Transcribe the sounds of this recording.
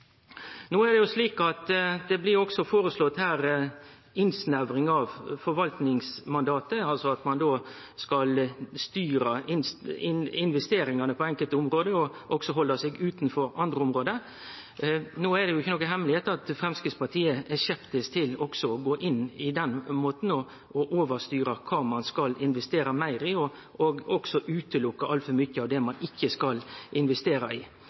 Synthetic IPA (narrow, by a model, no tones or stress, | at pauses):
noːæɖ̪ɛjʊsliːkɑt̪d̪ɛblɪɾɔksɔfoːɾəslɔt̪hæːɾ | ɪnsnæʋɾɪŋɑʋfɔɾʋɑlt̪nɪŋsmɑnd̪ɑːt̪əɑlsɔɑt̪mɑnd̪oː | skɑlst̪yːɾɑɪnsɪɪnʋɛst̪eːɾɪŋɑnəpʰɔɛŋkəlt̪əʊmɾoːd̪əɔʔɔksɔɦɔlːɑseːɡʉːt̪nfɔɾɑnd̪ɾəʊmɾoːd̪ə | noːæɖ̪ɛjʊɪçːənɔkːəɦɛmlɪheːt̪ɑt̪fɾɛmskɪspɑʈʰiːəçɛpt̪əst̪ʰɪlɔɡ̥sɔɔɡoːʔɪnːɪd̪ɛnmoːt̪n̩ɔ | ɔʔoːʋəɾst̪yːɾɑkʰɑːmɑnskɑlɪnʋɛst̪eːɾɑmæɪɾɪɔɔɡɔɡsɔʔʉːt̪əlʊkːɑʔɑlt̪fɔɾmʏçːəɑʋd̪ɛmɑnɪçːəskɑlʔɪnʋɛst̪eːɾɑɪ